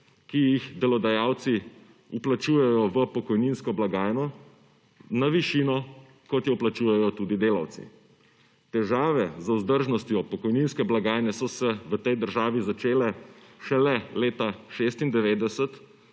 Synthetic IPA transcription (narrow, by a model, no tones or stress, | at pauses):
kijixd̪ɛlɔd̪ajaːw̪si | uplat͡ʃuːjɛjɔʋəpɔkɔjninskɔblaɡaːjnɔ | naʋiʃiːnɔ | kɔt̪jɛwplat͡ʃuːjɛjɔt̪uːd̪id̪eːlaw̪sḭ | t̪ɛʒaːʋɛzuzd̪əɾʒnɔst̪jɔpɔkɔjninskɛblaɡaːjnɛsɔsɛʋət̪ɛjd̪əɾʒaːʋizat͡ʃeːlɛʃɛlɛleːt̪aʃeːst̪ind̪ɛʋeːd̪ɛsət̪